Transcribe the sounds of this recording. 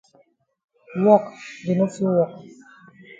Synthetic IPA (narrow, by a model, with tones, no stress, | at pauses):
wɔ˦˨kɡi˨no˦fi˦wɔ˨k̚